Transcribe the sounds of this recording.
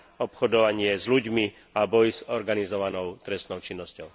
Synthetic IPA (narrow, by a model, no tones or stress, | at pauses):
ɔpxɔd̪ɔʋaɲɪɛzluɟmi | abɔjzɔɾɡanizɔʋanɔʊt̪ɾɛst̪nɔʊt͡ʃinːɔscɔʊ